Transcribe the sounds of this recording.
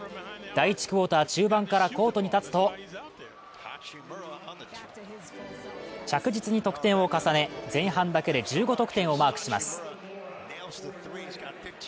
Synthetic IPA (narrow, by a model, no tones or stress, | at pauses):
d̪̥aiit͡ɕi̥kɯ̟o̞ːt̪aːt͡ɕɨːbãŋkaɾako̞ːt̪oɲ̟it̪at͡sɨ̥t̪o̞ | t͡ɕakɯ̟d͡ʑit͡sɨɲ̟it̪o̞kɯ̥t̪ẽ̞ɰ̃o̞kasane̞d͡zẽ̞ɰ̃ɦãnd̪ake̞d̪e̞d͡ʑɨːɡo̞t̪okɯ̟̥t̪ẽ̞ɰ̃o̞maːkɯ̟̥ɕima̰sɨ̥